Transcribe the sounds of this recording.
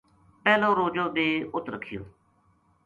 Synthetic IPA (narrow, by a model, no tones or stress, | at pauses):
pɛːlõːɾoːd͡ʒõːd̪eːʊt̪ɾəkʰːɪjo̰ː